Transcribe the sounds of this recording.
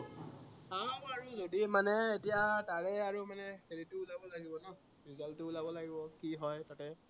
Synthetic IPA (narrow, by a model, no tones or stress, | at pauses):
amaɹuzodimanɛetijataɹɛaɹumanɛxeditʊːlabɔlaɡibɔnɔ | ɹizaltʊʊlabɔlaɡibɔkiɦɔjtatɛ